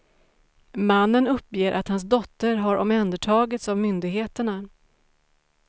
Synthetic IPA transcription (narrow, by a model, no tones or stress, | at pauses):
manːənɵpːjeːɾʔa̰t̪hans̬d̪ɔt̪ːəɾɦaɾʔɔ̰mɛnd̪əʈʰɑːɡɪt̪savmʏnd̪ɪɡɦeːt̪əɳa